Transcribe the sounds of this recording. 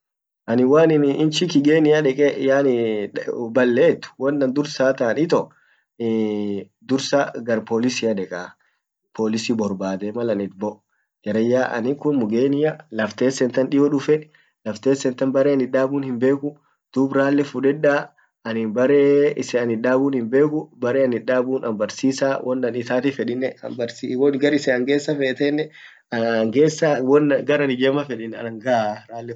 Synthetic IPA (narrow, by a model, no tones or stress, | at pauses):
ʔɐnɪwaːnɪnɪnt͡ʃɪkɪɡeːnɪjɐᶑɛkʼɛjaːnɪ | bɐlːeːt̪ːʊ̥wɐnːɐnd̪ʊɾsaːt̪ɐːnɪt̪ɔ | d̪ʊɾsaɡɐɾpoːlɪsɪɐᶑɛkʼaː | pʰoːlɪsiːbɔɾbaːd̪ɛmɐlɐnɪt̪bɔʔ | d͡ʒɛɾɐjːaːʔɐ̰nɪkʊnmʊɡeːnɪjɐlɐft̪eːsɛnt̪ɐnᶑɪjɔᶑʊfɛ | lɐft̪eːsːɛnt̪ɐnbɐɾeɐnɪᶑaːbuːnhɪmbe̞ːkʊ | d̪̥uːbɾaːlːɛfuᶑɛᶑaː | ɐnhɪnbɐɾeːɪsɛɐnɪᶑaːbuːnhɪmbe̞ːkʊbɐɾeːɐnɪᶑaːbuːnɐ̰mbɐɾsiːsaːwʔɔnɐnɪt̪aːt̪ɪfɛᶑɪnːɛɐ̰mbɐɾsiwɔnɡɐɾɪsɛɐŋɡeːsːɐfeːt̪ɛnːɛ | ɐŋɡeːsːɐwɔnɡɐɾɐnɪd͡ʒɛmɐfɛᶑɪnːɛɐnɐŋɡaɾaːlːɛ